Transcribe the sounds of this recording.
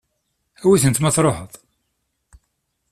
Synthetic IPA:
æwiθənt̪mæθɾˤoħəðˤ

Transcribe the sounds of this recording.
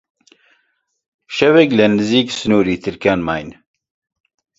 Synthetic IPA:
ʃɐwɛklɛnɨziːksɨnuːɾiːt̪ʰɨɾkaːnmaːjn

